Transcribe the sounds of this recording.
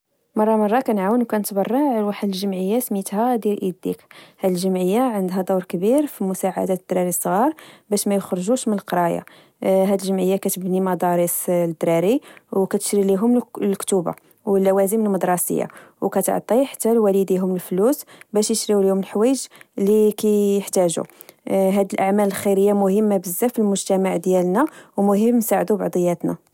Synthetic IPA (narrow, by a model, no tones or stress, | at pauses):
mɑrˤːɑmɑrˤːɑkænʕawənwkænət̪bɑrˤːɑʕlwaħəd̪əlʒəmʕəjːasmit̪hæd̪jilʔid̪ḭkhæd̪əlʒəmʕəjːaʕənd̪ɦæd̪ˤuɾkbiɾfimʊsaʕa̰d̪æd̪̥ɾɑɾisˤːɣɑɾˤbæʃmæjəxɾˤʒuʃmənəlqɾˤɑja̰ | ɦæd̪əlʒəmʕəjːakæt̪əbnimɑd̪ɑɾisd̪ɾɑɾiwkæt̪ə̥ʃɾiliɦʊmlkt̪uba̰ | wlːæwæzəməlmɑd̪ɾˤɑsə̰jːa̰wkæt̪ʕt̪ˤːiħḁt̪ːælwælid̪iɦʊməlflusbæʃjəʃɾiwlihʊməlħwæjəʒlikæəħt̪æʒṵ | ɦæd̪əlʔaʕmæləlxiɾəjːamʊhəmːabəzːæfilmʊʒt̪æmaʕd̪jælnæwmʊɦəmːnsaʕd̪ubɑʕd̪ˤəjːæt̪næ